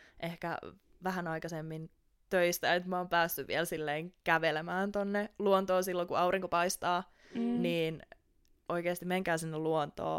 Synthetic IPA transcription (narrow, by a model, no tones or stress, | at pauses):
ʔehkæ̰ | ʋæhænɑikɑsemːin | t̪øist̪æet̪moːmpæːsːyʋḭelsilːeːŋkæʋelemæːnt̪onːeluont̪oːsilːokuɑuriŋkopɑist̪ɑː | niːn | oikeːst̪imeŋkæːsinːelluont̪o̰ː